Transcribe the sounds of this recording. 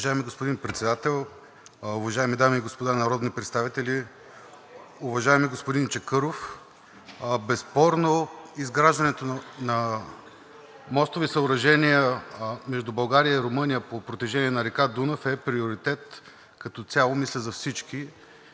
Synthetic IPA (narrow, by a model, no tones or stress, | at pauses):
ʒaɛmiɡospod̪inpɾɛt̪sɛd̪at̪ɛlˠ | ʊvɐʒaɛmid̪amiːɡospod̪anɐɾɔd̪nipɾɛt̪st̪avit̪ɛlʲi | ʊvɐʒaɛmiɡospod̪int͡ʃɛkɤɾof | bɛspɔɾnoizɡɾaʒd̪ɐnɛt̪onɐ | mɔst̪ovisəʊɾɐʒɛniəmɛʒd̪ubɐlˠɡaɾijəiɾomɤnʲijəpopɾot̪iʒɛniɛnɐɾɛkad̪unofɛpɾioɾit̪ɛt̪ | kɐt̪ɔt̪sʲalˠomislʲəzɐfsit͡ʃki